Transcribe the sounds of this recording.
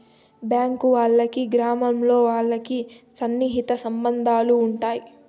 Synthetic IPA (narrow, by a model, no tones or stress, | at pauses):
bjaːŋkuʋaːɭːɐkiɡɾaːmɐmlo̞ːʋaːɭːɐki | sɐnːiɦit̪ɐsɐmbɐnd̪ʱaːluːɳʈaːji